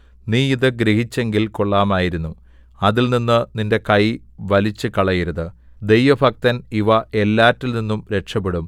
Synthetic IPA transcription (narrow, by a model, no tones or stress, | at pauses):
niːiðɨɡɾeɦit͡ɕːe̞ŋɡilko̞ɭːaːmaːjiɾunːu | ɐðilninːɨninde̞kɐj | ʋɐlit͡ɕːɨkɐɭɐjiɾɐðɨ | d̪e̞jʋɐbʱɐk̚t̪ɐniʋɐe̞lːaːtːilninːumɾe̞ʈʂɐpːeɽum